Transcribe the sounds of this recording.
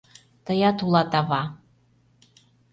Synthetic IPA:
t̪ɤ̆jɑt̪ulˠɑt̪ɑβɑ

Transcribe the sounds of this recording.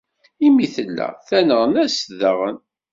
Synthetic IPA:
imiθəlːæ̰θænəʁənæsðəʁən

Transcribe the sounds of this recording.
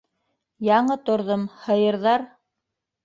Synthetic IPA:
jɑɴɤt̪ŏɾðomhɤ̆jɤ̆ɾðɑɾ

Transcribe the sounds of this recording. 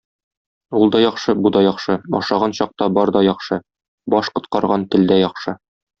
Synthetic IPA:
ulˠd̪ɒjɒχʃɤbud̪ɑjɒχʃɤɒ̰ʃɑʁɑnɕɒq̚t̪ɑbɒɾd̪ɒjɒχʃɤ | bɒʃqŏt̪̚qɑɾʁɑnt̪ɘ̆ld̪æjɒχʃɤ

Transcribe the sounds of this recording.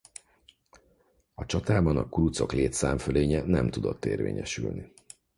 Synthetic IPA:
ɒt͡ʃɒt̪aːbɒnɒkuɾut̪so̞kleːt̪saːɱføleːɲɛnɛmt̪ud̪o̞t̪ːeːrvḛːɲɛʃylni

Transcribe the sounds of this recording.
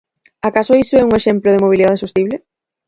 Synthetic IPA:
akasʊisʊɛuŋeʃɛmplʊðemoβ̞iliðaðesost̪iβle

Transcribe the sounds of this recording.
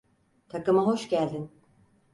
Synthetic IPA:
t̪ʰakɯmaɦo̞ʃɟælʲd̪in

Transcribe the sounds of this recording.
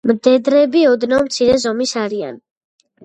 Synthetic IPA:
md̪ɛd̪ɾɛbiɔd̪nɔmt̪sʰiɾɛzɔmisaɾia̰n

